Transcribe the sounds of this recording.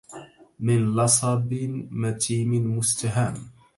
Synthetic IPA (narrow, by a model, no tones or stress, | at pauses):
mɪnlɑsˤɑbɪmat̪ʰiːmɪmʊst̪aɦaːm